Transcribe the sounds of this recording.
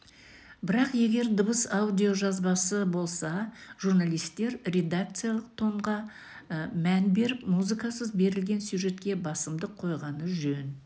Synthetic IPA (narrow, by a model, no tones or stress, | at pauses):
bɪɾɑqje̞ɡʲe̞ɾd̪əbəsawd̪ʲio̞ʒɑzbɑsəbo̞lˠsɑʒ̥urnalˠijst̪e̞ɾrʲe̞d̪ak̚t̪sɨjalˠəq̚t̪ʰo̞ɴʁɑ | mænbe̞ɾɪpmuzɨkɑsəzbe̞ɾɪlɡʲe̞nsjuʒe̞t̪kʲe̞bɑsəmd̪əqʰːo̞jʁɑnəʒɵn